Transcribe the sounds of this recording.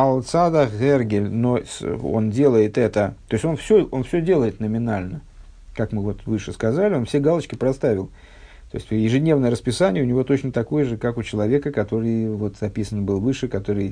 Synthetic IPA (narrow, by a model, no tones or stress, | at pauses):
ɐlˠt̪sad̪əerɡʲɪlʲno̞so̞̰ndʲe̞lˠəjɪt̪ɛt̪ət̪o̞ɪsʲtʲo̞nfsʲoʔo̞nfsʲɵdʲe̞lˠəjɪt̪nəmʲɪnalʲnə | kakmɨvo̞t̪vɨʂɨskɐzalʲɪo̞nfsʲeɡalˠət͡ɕkʲɪpɾɐst̪avʲɪlˠ | t̪o̞ɪsʲtʲvjɪʐɨdʲnʲe̞vnəjəɾəspʲɪsanʲɪjəʊnʲɪvo̞t̪o̞t͡ɕnət̪ɐko̞jəʐɨkakʊt͡ɕɪlˠɐvʲe̞kəkɐt̪o̞ɾɨjvo̞t̪zɐpʲisənbɨlˠvɨʂɨkɐt̪o̞ɾɨj